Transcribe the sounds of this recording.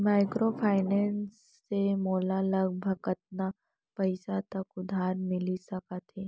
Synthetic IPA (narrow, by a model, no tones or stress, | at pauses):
maːɪkɾopʰaːɪnɛːnsː | emɔːlalɐɡ̚bʱɐɡɐt̪̚na | pɐɪsat̪ɐkʊd̪ʱaːɾmɪlisɐkat̪eː